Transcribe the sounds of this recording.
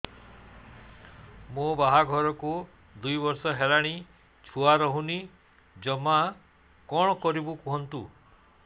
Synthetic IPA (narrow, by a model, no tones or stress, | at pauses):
mubaɦaɡʱɔɾɔku | d̪ujbɔɾsɔɦelaɽ̃i | t͡ʃʰuaɾɔɦuni | d͡ʒɔma | kɔɽ̃ɔkɔɾibukuɦɔnt̪u